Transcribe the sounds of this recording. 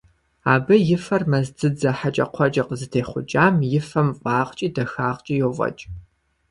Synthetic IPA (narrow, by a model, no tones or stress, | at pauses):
aːbɐjɪfɐrmɐzdʰɨd͡zɐħat͡ʃʼɐ̰qʷʰɔt͡ʃʼɐqəzɨtʰeːχʷʊ̰d͡ʒaːmjɪfɐmqʷʼɑːʁt͡ʃʼiːdɐxaːʁt͡ʃʼijovʼɐ̰t͡ʃʼ